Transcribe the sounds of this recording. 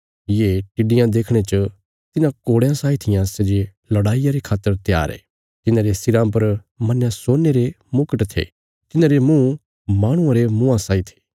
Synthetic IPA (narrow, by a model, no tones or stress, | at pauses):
jeʈɪɖɪjãd̪eːkʰɽ̃et͡ʃə | t̪ɪnãkoːɽjãsaːit̪ʰɪjãsed͡ʒe | lɐɽaːijaɾekʰaːt̪ːəɾt̪ja̰ːɾɛ̰ː | t̪ɪnãːɾesɪɾãːmpɐɾ | mɐnjãsoːnːeɾe | mʊkəʈt̪ʰḛː | t̪ɪnãːɾemũː | maːɽ̃ʊ̃ãɾemũãsaːit̪ʰe̥ː